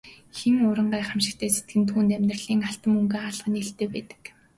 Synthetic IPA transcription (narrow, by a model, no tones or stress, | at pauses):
xeŋʊɾə̆ɴɢaːχamʃɪ̆k̚t̪ʰæːset̪̚ɡɘ̆nt̪ʰuːnt̪æmʲnr̆ɮiːŋaɬt̪ə̆mɵŋɡeːaːɮʁə̆neɬt̪eːpæːt̪ɘ̥̆k